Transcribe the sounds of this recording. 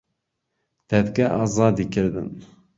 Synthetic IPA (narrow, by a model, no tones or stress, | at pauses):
t̪ɛt̪kɛʔɑːzɑːd̪ikʰɪɾd̪ɨ̰n